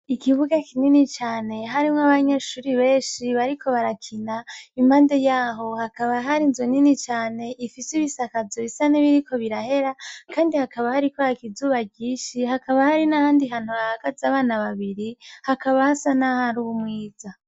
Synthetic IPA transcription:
ikiβuɡakʰininit͡ʃaːne̞ɦaɾimŋaβaɲe̞ʃuːɾiβe̞ːnʃiβaɾikʰo̞βaɾakʰinaimaːnde̞jaːɦo̞hakaβaɦaɾinzoninit͡ʃaːne̞ʔifisiβisakazoβisaniβiɾiko̞βiɾahe̞ɾakʰaːndihakaβahaɾikoakizuːβaɡiːʃihakaβahaɾinahaːndiɦaːn̥huβahaɡ̥azaβaːnaβaβiɾihakaβahasanahaɾuβumŋiːz̥a

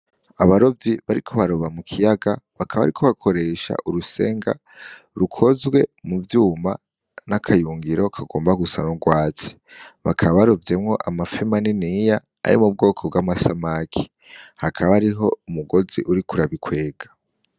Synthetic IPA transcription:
aβaɾo̞vjiβaɾikʰo̞βaɾoβamukʰijaɡaβakʰaβaβa̰ɾikʰo̞βakʰo̞ɾe̞ʃa̰ʔuɾuse̞̰ːŋɡa̰ | ɾukʰo̞zɡwe̞muvjuːma | nakʰajuːŋɡiɾo̞kʰaɡo̞̰ːmbaɡusa̰nuɾɡwaːt͡si̥βakʰaβaβaɾobje̞mŋo̞ʔamafimaninija̰ː | ɾḭmub̚ɡo̞ːkʰo̞bɡwamasamakʰi̥ | hakʰaβaɾiɦo̞umuɡo̞ziʔuɾikuɾaβikʰwe̞ːɡ̥ḁ

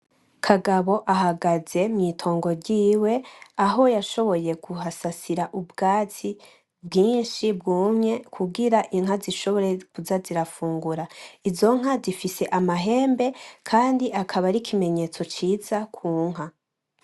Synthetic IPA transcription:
kʰaɡaβo̞ʔaɦaɡaze̞mɲiːtʰo̞ːŋɡo̞ɾɟiːwe̞aɦo̞jaʃo̞βo̞je̞ɡuɦasasiɾaʔubɡaːt͡si | bɡiːnʃibɡuːmɲe̞kʰuɡiɾaʔiŋɦaziʃo̞βo̞ɾekuzaziɾafuːŋɡuɾaizo̞ŋ̥ɦazifise̞ʔamaɦe̞ːmbe̞kʰaːndiʔakʰaβaɾikʰime̞ɲe̞ːt͡so̞t͡ʃiːzakʰuːŋ̥ɦa

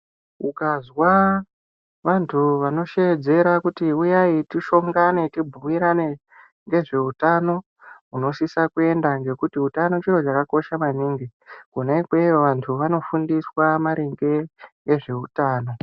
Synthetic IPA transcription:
ukazwa | ʋantʰuʋano̞ʃed͡ze̞ɾakutiujaitiʃo̞ŋɡane̞tibʱumiɾane | ŋɡe̞ʐe̞utano̞ | uno̞ʃisakue̞ndaŋɡe̞kutiutano̞t͡ʃiro̞t͡ʃakako̞ʃamaniːŋɡikunekwejoʋantʰuʋano̞fundiswamaɾiŋɡe̞ŋɡe̞ʐe̞utaːno̞

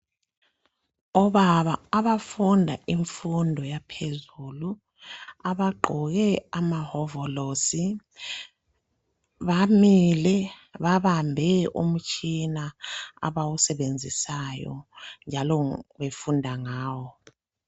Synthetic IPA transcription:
ɔβaβaːβafundʱaʔiɱfundʱɔjapʰezulu | aβaɡ͡ǃʱɔɣɛamahɔvɔlosi | βamilɛβaβambʱɛṵm̩t͡ʃʼinaa̰βawusɛβend͡zʱisajɔ̰nd͡ʒʱalɔβefundʱaŋaːwɔ

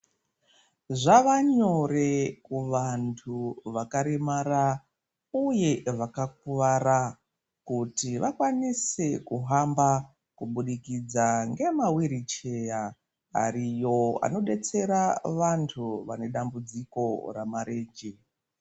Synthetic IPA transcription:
ʐaʋaɲo̞rekuʋantʰuʋakaɾemaɾa | uje̞ʋakak̚uʋaɾa | kutiʋakwanisekuɦamba | kuɓuɗikid͡zaŋɡe̞mawiɾit͡ʃe̞ja̰ː | ɾijo̞a̰no̞ɗe̞t͡se̞ɾaʋantʰuʋane̞ɗambud͡ziko̞ramaɾeːnd͡ʒe

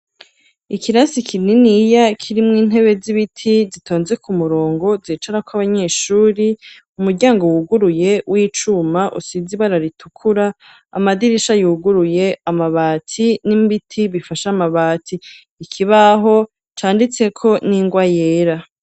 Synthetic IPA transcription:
ikʰiɾasikʰininijakʰiɾimŋiːn̥e̞βe̞ziβitʰizitʰo̞ːnze̞kʰumuɾo̞ːŋɡo̞ziːt͡ʃaɾakwaβaɲe̞ʃuːɾi | umuɾɟaːŋɡowuɡuɾuje̞wʔiːt͡ʃumaʔṵsiziβaɾaɾitʰukʰuɾa̰ː | madiɾiʃajuːɡuɾuje̞amaβaːtʰinimbitʰiβifaʃamaβaːtʰiː | kʰiβaɦo̞ | t͡ʃaːndit͡se̞kʰo̞niŋɡwajeːɾa

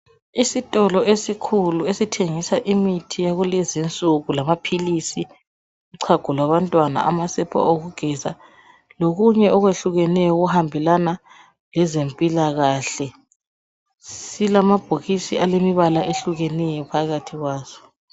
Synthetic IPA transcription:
isitʼɔlɔʔesikʰuluesitʰeŋisaʔimitʰijaɣulɛzint͡sʼuɣulamapʰilisi | uǀʰaɡ̥ʱulwaβantʼwana̰ʔa̰masɛpʰa̰oɣuɡ̥ʱɛza̰ | loɣuɲɛɔɣweɬuɣɛnɛjɔɣuhambʱɛlana | lɛzempʼilaɣaːɬɛ | silamab̥ʱoɣisiʔalemiβalaʔeɬuɣɛnɛjɔpʰaɣatʰiɣwaːz̥ɔ̥

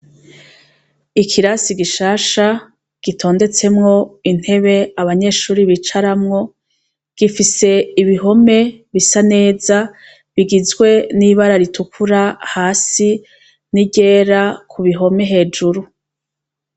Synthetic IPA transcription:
ikʰiɾasiɡiʃaːʃa | ɡ̥itʰo̞ːnde̞t͡se̞mŋo̞in̥he̞βe̞aβaɲe̞ːʃuːɾiβit͡ʃaɾamŋo̞ | ɡ̥ifise̞iβiɦo̞me̞βisane̞ːza | βiɡizɡwe̞niβaɾaɾitʰukʰuɾahaːsi | niɟe̞ːɾakʰuβiɦo̞me̞ɦe̞ːd͡ʒuɾu

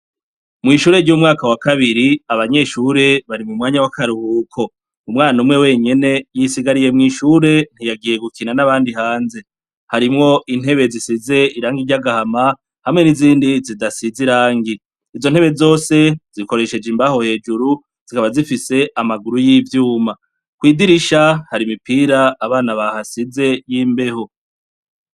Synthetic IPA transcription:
mŋiːʃuːɾe̞ɾɟuːmŋaːkawakaβiɾiaβaɲe̞ʃuɾe̞βaɾimumŋaːɲawakaɾuhuːkʰo̞ | umŋaːnumŋe̞we̞ːɲe̞ne̞jisiɡaɾije̞mŋiːʃuːɾe̞n̥ijaɡije̞ɡukinanaβaːndihaːnze̞ | haɾimŋo̞in̥he̞βe̞zisize̞iɾaːŋɡiɾɟaɡahama | hamŋe̞niziːndizidasiziɾaːŋɡiː | zo̞n̥heβe̞zo̞ːse̞z̥iko̞ɾe̞ʃe̞d͡ʒimbaho̞he̞ːd͡ʒuɾu | z̥ikaβazifise̞ʔamaɡuɾujiːvjuːma | kwiːdiɾiʃahaɾimipiːɾaːβaːnaβahasize̞jiːmbe̞ho̞

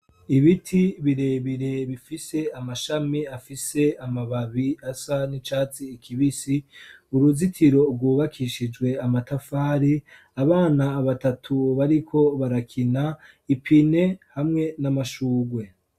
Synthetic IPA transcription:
iβitʰiβiɾe̞βiɾe̞βifise̞amaʃamiafise̞amaβaβiasanit͡ʃaːt͡siːkʰiβisiuɾuzitʰiɾo̞ɾɡuːβakʰiʃid͡ʒɡwe̞amatafaːɾi | aβaːnaːβatatʰuβaɾikʰo̞βaɾakʰina | ipʰine̞hamŋe̞namaʃuːɡwe̞

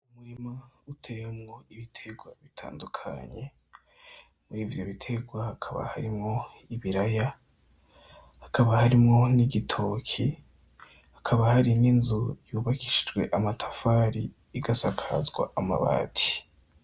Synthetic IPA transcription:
umuɾimautʰejemŋo̞iβitʰe̞ɡwaβitʰa̰ːndukʰa̰ɲe̞ | muɾiːvjoβitʰe̞ɡwahakʰaβa̰ha̰ɾimŋo̞ | iβiɾaja | hakaβahaɾimŋo̞niɡitʰo̞kʰi | hakʰaβahaɾininzujuːβaki̥ʃid͡ʒɡwe̞ʔamatʰḁfaɾiː | ɡasakʰazɡwa̰ama̰βa̰ːtʰi̥

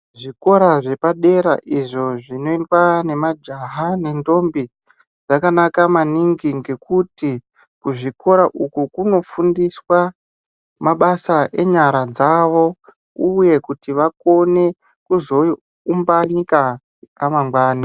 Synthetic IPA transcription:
ʐiko̞ɾaʐe̞paɗe̞ɾaʔiʐo̞ʐino̞indwane̞mad͡ʒaɦane̞ndo̞mbi | ʐakanakamaniŋɡiŋɡe̞kuti | kuʐiko̞ɾaʔukukuno̞fundiswa | maɓasaʔe̞ɲaɾad͡zaʋo̞ | uje̞kutiʋako̞ne̞ | kuzo̞ | umbaɲika | ramaŋɡwaːna

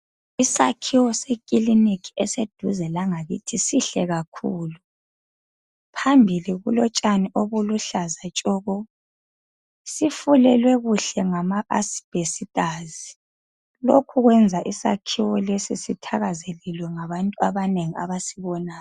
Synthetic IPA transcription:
isa̰kʰiwɔsekʼilinikʰiɛsed̥ʱuzɛlaŋaɣḭtʰisiɬɛɣakʰuːlu | pʰambʱiliɣṵlɔt͡ʃʼaniʔoβuluɬazat͡ʃʼɔːɣɔ | sifulɛlwɛɣuɬɛŋamaʔa̰sb̥ʱesitʼazi | lokʰuɣwɛnd͡zʱaʔisa̰kʰiwɔlesisitʰaɣazelilwɛŋaβantʼuaβaneŋia̰βasiβɔnaːj

